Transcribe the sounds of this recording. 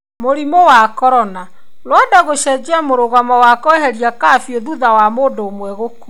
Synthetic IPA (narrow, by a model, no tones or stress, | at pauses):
moɾimowakɔɾɔna | lwɔdaɣoʃɛd͡ʒɛmoɾoɣamɔwakɔeɦɛɾiakaːfjoðuðawamoːdoːmwɛɣoku